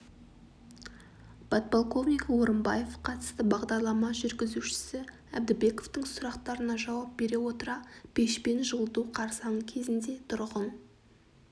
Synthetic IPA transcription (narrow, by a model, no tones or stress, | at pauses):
b̥ɑt̪̚polˠko̞vnikwoɾəmbɑje̞fqʰɑt̪ə̥st̪əbɑʁd̪ɑɾlˠɑmɑʒʏɾɡʲɪzuʃɪ̥sɪ | æbd̪ɪbe̞ko̞ft̪əɴsʊɾɑqt̪ɑɾənɑʒɑwɑp̚b̥e̞ɾe̞wo̞t̪əɾɑb̥e̞ʃpe̞nʒəlˠd̪uqʰɑɾsɑnəkʲʰe̞zɪnd̪e̞t̪ʰʊɾʁən